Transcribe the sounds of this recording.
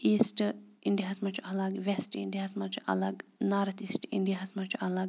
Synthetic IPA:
iːsʈ | iɳɖiaɦɐsmɐt͡ʃʰuɐlɐɡʋesʈḭɳɖiaɦɐsmɐt͡ʃʰuʔɐ̰lɐɡnaːɾɐt̪iːsʈḭɳɖijaɦɐsmɐt͡ʃʰuɐlɐɡ

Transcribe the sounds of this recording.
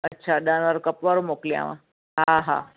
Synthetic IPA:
ətːʃʰaɗanʋaɾukəpʋaɾomoklia̰ʋã̰ | ɦaɦa̰

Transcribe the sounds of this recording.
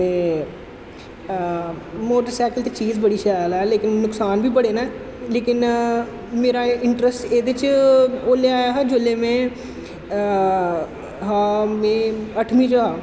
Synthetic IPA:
t̪eː | moːʈəɾsɛːkəlt̪eːt͡ʃiːzbəɽiːʃaːjlɛːleːkɪnːʊksaːnbiːpəɽeːnɛː | leːkɪn | meːɾaːɪɳʈɾəsʈeːd̪ɪt͡ʃoːleːaːjaɦaːd͡ʒoleːmɛ̃ː | ɦãːmɛ̃ːəʈʰmiːd͡ʒoɦaː

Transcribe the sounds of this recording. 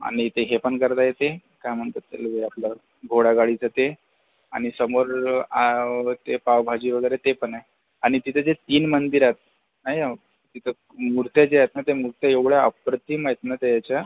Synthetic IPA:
a̰ɽ̃it̪eɦepəɳkəɾt̪ajet̪ekajm̤əɳt̪ət̪ːḛlʋeapla | ɡʱoɽaɡaɽit͡sət̪e | aɽ̃isəmoɾat̪epaʋbʱad͡ʑiʋəɡəjɾet̪epəɳaj | aɽ̃it̪it̪ʰəd͡zet̪iːnmənd̪iɾat̪̚ | naja | t̪it̪ʰə | muɾt̪jad͡ʑeajt̪̚nat̪emuɾt̪jaeʋɭjaəpɾət̪imait̪nat̪ejat͡ɕja

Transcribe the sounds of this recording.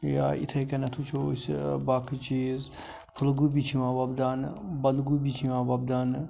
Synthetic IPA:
ja̰ːḭt̪ʰɐkɐnɐt̪ʰut͡ʃʰosbaːkʰit͡ʃiːz | pʰəlɡubit͡ʃʰimãːbɐbd̪anbɐnd̪ɡubit͡ʃʰiʋãːbɐbd̪an

